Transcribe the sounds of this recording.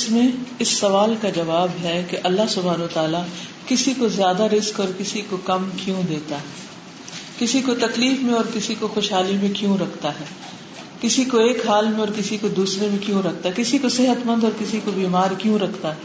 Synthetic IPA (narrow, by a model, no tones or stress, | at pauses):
smẽɪsːɐʋaːlkad͡ʒɐʋaːbɦɛkeʔɐlːaɦsʊbʱaːnət̪aːla | kɪsikozjaːd̪aɾɪzkɔːɾkɪsikokɐmkjũd̪eːt̪aɦɛː | kɪsikot̪ɐkliːfmẽɔːɾkɪsikoxoːʃɦaːlimẽkjũɾɐkʰt̪aɦɛː | kɪsikoeːkɦaːlmẽɔːɾkɪsikod̪uːsɾemẽkjũɾɐk̚ʰt̪aɦɛkɪsikosɪɦət̪mɐ̃nd̪ɔːɾkɪsikobiːmaːɾkjũɾɐkʰt̪aɦɛː